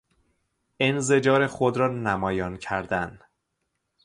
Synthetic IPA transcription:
enze̞d͡ʒɒːɾexod̪ɾɒːnæmɒːjɒːncʰæɾd̪æn

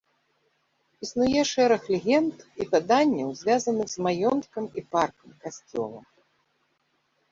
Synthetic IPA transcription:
isnujɛʂɛɾɐxlʲɛɣʲɛnt̪ipad̪anʲːɐwzʲvʲazɐnɨɣzmajɔnt̪kɐmiparkɐmkasʲt͡sʲɔ̰lˠɐ̰

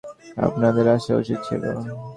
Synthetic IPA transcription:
a̰pnad̪eɾaʃeo̰ʃet͡ɕʰḭlo̰

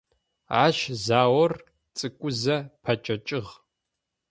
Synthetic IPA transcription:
ʕaʃzaːwɔr | t͡sʼɨkʷʼʊzɐpʰɐt͡ʃʼɐt͡ʃʼɪʁ

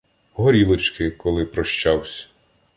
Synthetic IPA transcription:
ɦɔɾʲilˠɪt͡ʃkɪkɔlˠɪpɾɔʃt͡ʃɑwsʲɐ̥

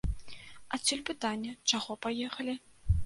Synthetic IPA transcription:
ɐsʲulʲpɨt̪anʲːɐt͡ʂaɣɔpajɛxɐlʲi

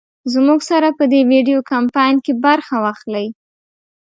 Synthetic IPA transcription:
zmuɡsaɾapəd̪ewiɖijokampɑjnkebaɾxawaxləj

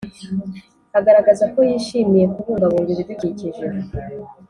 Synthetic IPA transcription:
haɡaɾaɡazako̞jiːʃiːmije̞kuβuːŋɡaβuːmviβiduɡiciʒe

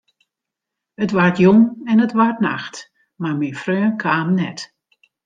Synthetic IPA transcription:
ətʋartjoŋɛnətʋartna̰xt | marminfrøːnkʰaːmnɛ̰t

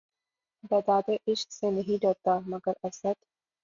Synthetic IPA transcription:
bɐd̪aːd̪eʔɪʃksenɐɦĩɖoːt̪aːmɐɡəɾɐsəd̪

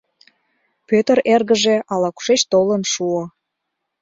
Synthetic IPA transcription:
pøt̪əɾerɣəʒeɑlɑku̥ʃeʃt̪olənʃuo

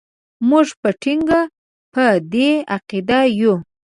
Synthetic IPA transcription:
muʐpəʈʰiŋɡa | pəd̪eaqid̪ajo

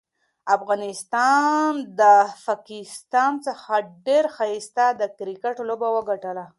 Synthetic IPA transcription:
afɣɑnɪst̪ɑnd̪əfakist̪ɑnt͡səxaɖeɾxaist̪ad̪əkɾikəʈlobawəɡaʈəla

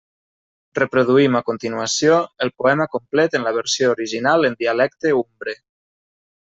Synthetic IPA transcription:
repɾoðuimakont̪inuasijoəlˠpoɛməkomplɛt̪ənləβəɾsijoːɾiʒinalˠənd̪ialɛk̚t̪eumbɾe

